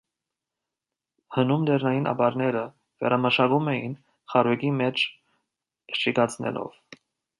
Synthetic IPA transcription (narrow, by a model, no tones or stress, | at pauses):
hənumlɛɾnɑjinʔɑ̰bɑɾnɛɾə | vɛ̰ɾʔɑməʃɑɡumɛjḭn | χɑɾɛɡimɛt͡ʃʰ | ʃikɑt͡sʰnɛ̰lɔ̰v̥